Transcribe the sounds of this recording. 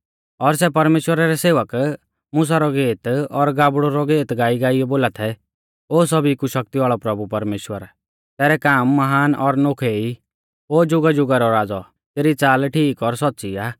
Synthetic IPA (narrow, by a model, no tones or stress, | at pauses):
ɔɾsɛp̬ɐɾmeːʃwəɾaɾɛseːʋək | mʊs̬aɾɔɡeːt̪ɔɾɡaːbɽoɾɔɡeːt̪ɡaːiɡaːijɔboːlat̪ʰɛ | oːs̬ɔbikuʃɐk̚t̪iʋaːɭɔpɾɐbupɐɾmeːʃwəɾ | t̪ɛːɾɛkaːmːɐɦaːnɔɾnokʰei | oːd͡ʒʊɡad͡ʒʊɡaɾɔɾaːd͡zɔ | t̪eːɾit͡saːlʈʰiːkɔɾsɔtːt͡ʃiaː